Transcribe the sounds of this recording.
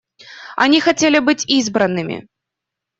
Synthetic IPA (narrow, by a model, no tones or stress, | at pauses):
a̰nʲixat͡sʲelʲibɨt͡sʲizbɾɐnːɨmʲḭ